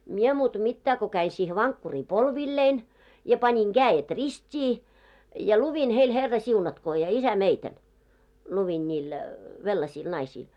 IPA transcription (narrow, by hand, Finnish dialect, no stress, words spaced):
mie muːtɑ̆ mitːæː ko kæi siːhe ʋɑŋkːuriː polʋilːein jɑ pɑnʲiŋ ɡ̊æːjet ristʲiː jɑ luʋin heil herːɑsiunɑtkoː jɑ isæmeitæn luʋin nʲiːl ʋelːɑsiːl nɑisiːl